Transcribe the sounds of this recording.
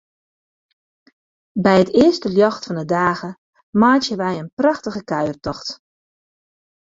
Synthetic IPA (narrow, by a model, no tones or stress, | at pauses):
bɛjətɪəstəljɔxtfɔndədaːɣə | maːtjəʋɛjənprɑxtəɣəkaɥərtɔxt